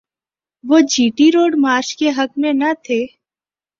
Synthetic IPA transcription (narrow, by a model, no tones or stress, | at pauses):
ʋoːd͡ʒʱiːʈiɾoːɖmaːɾt͡ʃkeɦəkmẽnət̪ʰeː